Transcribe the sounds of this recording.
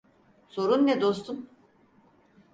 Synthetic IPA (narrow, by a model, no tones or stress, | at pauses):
so̞ɾunːɛd̪ost̪ʰum